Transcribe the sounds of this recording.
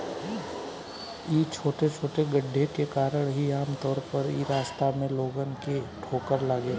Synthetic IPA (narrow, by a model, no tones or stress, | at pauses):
iːt͡ʃʰoːʈet͡ʃʰoːʈeɡəɖʱːekekaːɾəɽ̃ɦiaːmt̪ɔːɾpəɾiːɾaːst̪amẽloːɡənkeʈʰoːkəɾlaːɡeː